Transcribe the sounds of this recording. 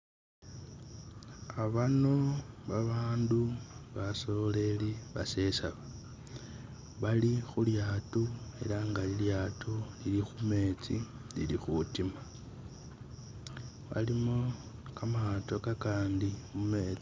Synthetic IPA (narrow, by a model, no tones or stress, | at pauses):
aβano̞βaβaːnduβaso̞le̞liβase̞saβa | βalixuljaːtue̞̰laŋɡaliljaːtʰulilixume̞ːt͡si | lḭlixutima | βa̰limo̞ | kamato̞kakaːndimume̞ːt͡si